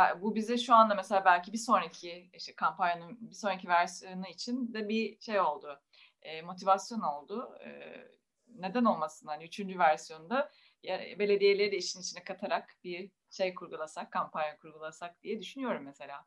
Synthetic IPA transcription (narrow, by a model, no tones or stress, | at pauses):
abubizd̪ɛʃuand̪ameselʲaːbælʲcibiso̞nɾacʰiiʃt̪ʰɛkʰampanjanɯnbiso̞nɾac̬ʰivæɾsijonuit͡ʃʰind̪ɛbiʃe̞jo̞lˠd̪ʊː | mo̞t̪ʰivasjo̞no̞lˠd̪ʊɯ̰ | ne̞d̪æno̞lˠmasɯnd̪anyt͡ʃʰynd͡ʒyvæɾsijo̞nund̪a | jabe̞lʲe̞d̪ije̞lʲeɾid̪ɛiʃinit͡ʃʰinɛkʰat̪ʰaɾakbiɾ | ʃe̞jkʰuɾɡulˠasakʰːampʰanjakʰuɾɡulˠasak̚d̪ijɛd̪yʃynyjo̞ɾumːese̞lʲaː